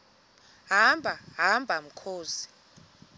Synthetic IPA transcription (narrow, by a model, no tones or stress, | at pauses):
ɦambʱaɦambʱam̩kʰoːzi̥